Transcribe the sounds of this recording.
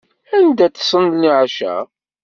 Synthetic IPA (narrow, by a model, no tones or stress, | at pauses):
ænd̪æt͡sə̥sˤənniʕaʃæ̰